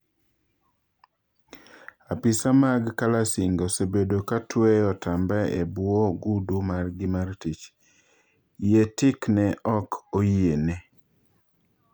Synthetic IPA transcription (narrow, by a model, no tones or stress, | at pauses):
apisamaɡkalasiŋɡosebedokatweɔtambɛḛbwoɡudumarɡɪmartit͡ʃ | jetɪknɛʔɔkʰojiene